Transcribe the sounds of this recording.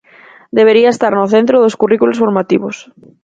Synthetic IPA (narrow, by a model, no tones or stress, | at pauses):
d̪eβ̞eɾiaest̪aɾnoθent̪ɾoðoskurikulosfoɾmat̪ḭβos